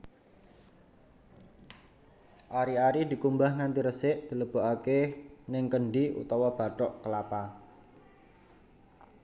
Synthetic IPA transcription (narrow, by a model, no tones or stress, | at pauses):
ʔaɾiaɾid̪̥i̤kumbahŋant̪iɾəsɪʔd̪̥i̤ləb̥o̤ʔakenɪŋkəɳɖiṵt̪ɔwab̥a̤ʈɔʔkəlapa